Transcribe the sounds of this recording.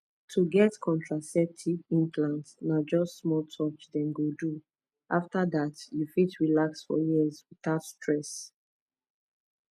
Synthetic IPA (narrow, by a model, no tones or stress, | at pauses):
tʰuɡɛtkʰɔ̃ntɹasɛp̚tʰivĩnpʰlãntnad͡ʒɔstsmɔltʰɔt͡ʃdɛ̃nɡodu | ʔaftadatjufitɹilaksfɔ̰jizwiθaʊtstɹɛs